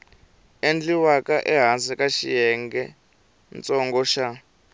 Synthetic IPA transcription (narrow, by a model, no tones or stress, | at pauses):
end͡ɮiwakaʔɛɦansɛkaʃḭjɛŋɡɛ | nt͡sʼɔŋɡɔʃa